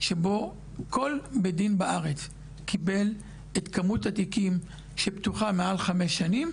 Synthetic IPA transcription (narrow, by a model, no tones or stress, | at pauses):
ʃebo̞ | ko̞lbedinbaʔaʁet͡s | kʰibe̞l | et̪kamutat̪ikim | ʃeptuχamealχameʃanim